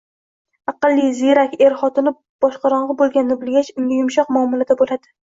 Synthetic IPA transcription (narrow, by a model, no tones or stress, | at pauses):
ɑqɨlˠːiziɾakʲeɾχɒt̪ɪnɪ | b̥ɒʃqɑɾɒɴʁɨbolˠɡʲanːʊbɪlɡʲat͡ʃʊŋɡʲajʊmʃɒqmɒːmʊlad̪abolad̪ɪ